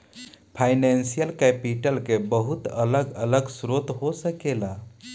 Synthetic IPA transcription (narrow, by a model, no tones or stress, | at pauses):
pʰajnensijəlkɛpiʈəlkebəɦut̪ələɡələɡsɾot̪ɦosəkela